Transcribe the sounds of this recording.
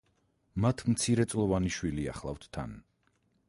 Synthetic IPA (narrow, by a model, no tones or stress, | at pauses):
mat̪ʰmt̪sʰiɾɛt̪sʼlˠɔvaniʃwilia̰χlˠa̰ft̪ʰt̪ʰːa̰n